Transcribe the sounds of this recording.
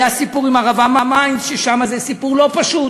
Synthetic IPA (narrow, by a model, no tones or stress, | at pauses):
asipuʁimaʁavamamajnsʃeʃamazesipuʁlo̞paʃut